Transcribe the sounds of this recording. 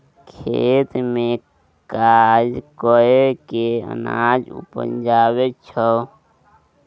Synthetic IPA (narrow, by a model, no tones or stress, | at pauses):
kʰeːt̪mẽ | kad͡ʒkoekeə̰na̰ːd͡ʒṵpə̰nd͡ʒaːwet͡ʃʰə